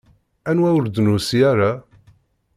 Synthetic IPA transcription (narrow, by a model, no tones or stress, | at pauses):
ænwæwəɾd̪nusiaɾa